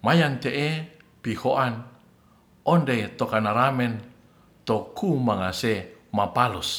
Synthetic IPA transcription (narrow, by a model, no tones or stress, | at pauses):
majant̪eʔe | pihoʔan | ʔɔndet̪okanaɾamɛn | t̪okʰumaŋasemapalus